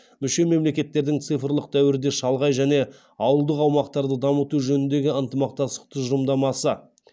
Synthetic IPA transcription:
mʏʃe̞me̞mle̞kʲe̞t̪ːe̞ɾd̪ɪŋt̪sɨjfɾlˠəq̚t̪ʰæwɪɾɪd̪e̞ʃɑlˠʁɑjʒæne̞ | ɑwəlˠd̪əqɑwmɑqt̪ɑɾd̪əd̪ɑmət̪uʒɵnɪnd̪e̞ɡʲɪənt̪əmɑq̚t̪ɑst̪ə̥q̚t̪ʰəʒʊmd̪ɑmɑsə

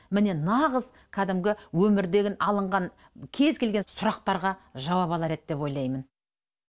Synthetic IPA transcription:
mɪne̞nɑʁəz | kʲʰæd̪ɪmɡʲɪwɵmɪɾd̪e̞ɡʲɪnɑlˠəɴʁɑŋ | kʲʰe̞zkʲʰe̞lɡʲensʊɾɑq̚t̪ɑɾʁɑʒɑwɑpɑlˠɑɾe̞d̪̚d̪e̞pwo̞jlˠɑjmən

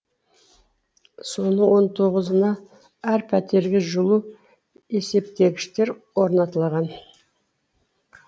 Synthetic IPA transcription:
so̞nəɴwo̞nt̪ʰo̞ʁəzənɑ | æɾpʰæt̪e̞ɾɡʲɪʒʊlˠu | e̞se̞pt̪e̞ɡʲɪʃt̪e̞ɾwo̞ɾnɑt̪əlˠʁɑn

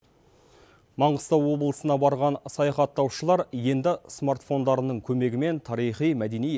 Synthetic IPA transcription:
mɑɴəst̪ɑwwo̞blˠəsənɑbɑɾʁɑnsɑjɑχɑt̪ːɑwʃəlˠɑɾje̞nd̪ɪsmart̪fo̞nd̪ɑɾənəɴkʲʰɵme̞ɡʲɪme̞nt̪ʰɑɾijχijmæd̪e̞nij

